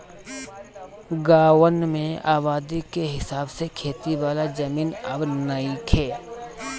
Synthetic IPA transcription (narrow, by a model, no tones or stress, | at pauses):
ɡaːwənmẽaːbaːd̪ikeɦɪsaːbsekʰeːt̪iʋaːlad͡ʒɐmiːnɐbnɐikʰeː